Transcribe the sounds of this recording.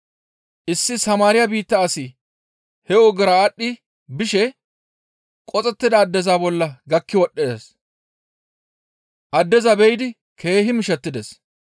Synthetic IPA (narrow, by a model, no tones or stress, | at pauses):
ʔɪsːɪsɐmaːɾɪjɐbiːt̪ːɐːsɪ | hɛɔɡɐɾaːɗːɪ | bɪʃɛ | kʼɔt͡sʼɛt̪ːɪd̪ɐːd̪ːɛzaːbɔlːɐɡɐkːɪwɔɗːes | ʔɐd̪ːɛzɐbɛjɪd̪ɪ | kʰe̞ːɦɪmɪʃɛt̪ːɪd̪ɛs